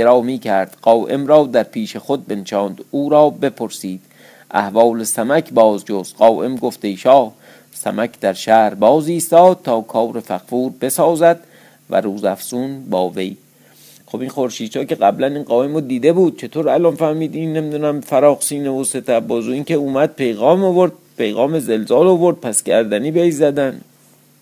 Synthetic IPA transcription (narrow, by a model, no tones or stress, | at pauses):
eɾɒːmiːcʰæɾd̪̥ɢ̥ɒːʔe̞mɾɒːd̪æɾpʰiːʃe̞xod̪̚be̞nt͡ʃʰɒːnd̪̥uːɾɒːbe̞pʰoɾsiːd̪̥ | ʔæ̰hvɒːlesæmækʰbɒːzd͡ʒost̪ɢɒːʔe̞mɡo̞ft̪ejʃɒːh | sæ̰mækʰd̪æɾʃæɾbɒːziːst̪ɒːd̪̥̚t̪ʰɒːkʰɒːwɾe̞fæxfuːɾbe̞sɒːzæd̪̥ | væ̰ɾuːzæfsunbɒːvej | χobinχo̞ɾʃiːd̪t͡ʃʰɒːke̞ɢæblæniːnɢɒːe̞mod̪iːd̪e̞buːd̪̥̚t͡ʃʰe̞t̪ʰoːɾælɒnfæhmiːd̪inːemid̪unæmfæɾɒːχsiːnevose̞t̪ʰæbɒːzoiːnkʰeuːmæd̪̚pʰe̞jɣɒːmovoɾd̪̥̚pejɣɒːmezelzɒːlovo̞ɾd̪̥̚pʰæskʰæɾd̪æniːbejzæd̪æn